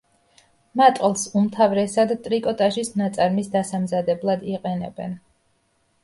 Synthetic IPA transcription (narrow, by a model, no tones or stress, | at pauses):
mat̪ʼqʼlˠsumt̪ʰavɾɛsad̪t̪ʼɾikʼɔt̪ʼaʃisnat̪sʼaɾmisd̪asamzad̪ɛblˠad̪iqʼɛnɛ̰bɛn